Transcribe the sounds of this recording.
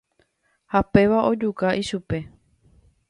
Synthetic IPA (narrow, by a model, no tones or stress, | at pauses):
hape̞ʋaʔo̞d͡ʒukaʔiʃupe̞